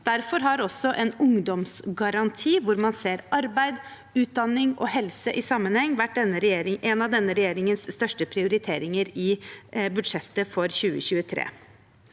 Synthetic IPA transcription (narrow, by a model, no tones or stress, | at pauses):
d̪̥æɾfɔɾɦɑɾɔsːɔʔɛnʊŋd̪ɔmsɡɑɾɑnt̪ʰiːʋʊɾmɑnseːɾʔɑɾbæɪd̪ | ʉːt̪̚d̪ɑnːɪŋɔ̰ɦɛlsəʔɪsɑmːənhɛŋːʋæʈ̚ːd̪ɛnːəɾɛjeːɾɪʔɛnɑʋd̪ɛnːəɾɛjeːɾɪŋənsːt̪œʂʈəpʰɾɪʊɾɪt̪ʰeːɾɪŋəɾɪbʉd̪ʂɛt̪ːəfɔɾçʉːəçʉːət̪ʰɾḛː